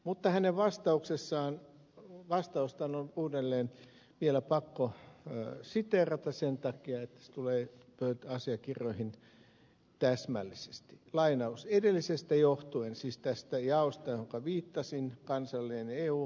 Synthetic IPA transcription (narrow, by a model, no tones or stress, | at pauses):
mut̪ːɑhæneʋʋɑst̪ɑuksesːɑːn | ʋɑst̪ɑust̪ɑnonuːdelːeːn | ʋielæpɑkːo | sit̪erɑt̪ɑssent̪ɑkiɑet̪ːæ̥se̥t̪uleː | pøyt̪ɑsiɑkiroihin | t̪æsmælːise̥st̪i̥lɑinɑusedelːisest̪æjoht̪uensiːst̪æst̪æjɑost̪ɑjoŋkɑʋiːt̪ːɑsinkɑnsɑlːeːneːuː